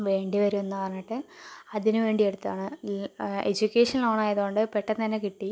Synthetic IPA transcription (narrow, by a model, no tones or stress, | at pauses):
ʋe̞ːɳɖiʋɐɾume̞nːɨpɐrɐɲːiʈːɨɐðinɨʋe̞ːɳɖie̞ɽut̪ːaːɳɨ | ed͡ʑukʲːeːʂɐnloːɳaːjɐðuɣoɳɖɨpeʈːɐnːɐnːekiʈːi